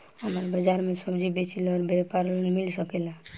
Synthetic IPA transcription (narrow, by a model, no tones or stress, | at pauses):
ɦəməɾbəd͡ʒaɾmesəbd͡ʒibet͡ʃilɔɾbepaɾlənmilsəkɛla